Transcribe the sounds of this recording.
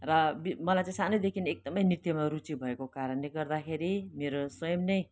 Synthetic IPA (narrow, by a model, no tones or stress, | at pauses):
rʌbimʌlajt͡saĩsanʌjd̪ekʰinek̚d̪ʌmʌjnirt̪jʌmaɾut͡sibʱʌekokaɾʌnleɡʌrd̪akʰeɾimeɾosʌjʌmnʌj